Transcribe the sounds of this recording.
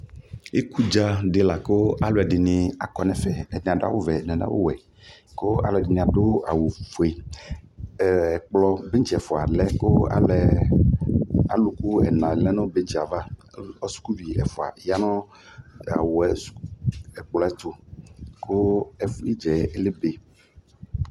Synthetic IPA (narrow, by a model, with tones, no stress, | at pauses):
e˦ku˦d͡ʒa˦ɖe˨la˨ko˦a˦lo˨ɛ˨ɖɪ˨nɪ̃˨a˨kɔ˨nɛ̃˨fɛ˦ɛ˨n˨a˨da̰˦wo˦vɛ˨ñ˨n˦a̰˦wo̰˦wɛ˨ | ko˦a̰˨lo˨ɛ˨dɪ˨nĩ˨a˨ɖo˦a˨wo˨fo˨e˨ | ɛ˨k͡plɔ˨be˦ŋ˦t͡ʃi˨ɛ˨fo˨a˨lɛ˦ko˦a̰˨lɛ˨ | a˨lu˨ku˦ɛ̰˨nã˨lɛ˦nɔ̃˦be˦t͡ʃi˨a˨va˦ɔ˦su̥˦ku˦vi˨ɛ̰˨fo˨a̰˨ja˦nɔ̃˦ | a̰˨wo˨ɛ˨sɛ˨k͡plɔ˨˦ɛ˦t̪o˨kʰo˦ɛ˨fi˦d͡ʒɛ˨e˦le˦be˦